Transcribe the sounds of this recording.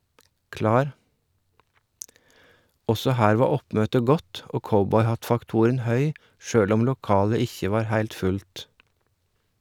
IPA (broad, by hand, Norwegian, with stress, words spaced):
ˈɔsɔ ˈhæːɾ ˈʋɑː ˈɔpmøːtə ˈɡɔt ˈʔoː ˈkɔbɔʏˌhɑtfɑkˌtʊɾən ˈhœʏ ˈʃøːɽ ˈʊm lʊˈkɑːlə ˈɪçə ˈʋɑːɾ ˈhæɪlt ˈfʉlt